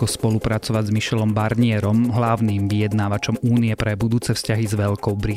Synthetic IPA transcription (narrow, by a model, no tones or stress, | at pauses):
ɔspɔlupɾat͡sɔʋaɟzmiʃɛlɔmbaɾɲɪɛɾɔmɦlaʊniːmʋijɛd̪naːʋat͡ʃɔmuːniɛpɾɛbud̪uːt͡sɛfscaɦizʋɛʎkɔʊbɾi